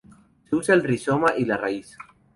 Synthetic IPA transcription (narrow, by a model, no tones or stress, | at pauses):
seusalrisomaʔilarais